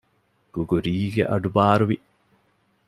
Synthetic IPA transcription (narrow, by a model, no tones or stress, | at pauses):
ɡ̥uɡuɾiːɡḛʔɐɖubaːɾuʋi